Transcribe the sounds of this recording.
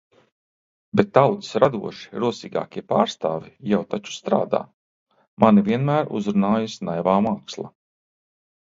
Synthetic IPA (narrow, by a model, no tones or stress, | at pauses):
bɛt̪ːawt̪i̥sɾad̪uɔʃi̥ɾuɔsiːɡa̰ːkʲiɛpaːɾst̪aːvijawt̪at͡ʃu̥st̪ɾa̰ːd̪a̰ː | mʔaniviɛnmæːɾṵzɾunaːjusnajvaːmaːkslˠa̰